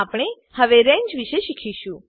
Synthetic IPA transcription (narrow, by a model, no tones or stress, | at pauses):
apɽ̃e | həʋeɾẽɲd͡ʒʋiʃeʃikʰiʃũ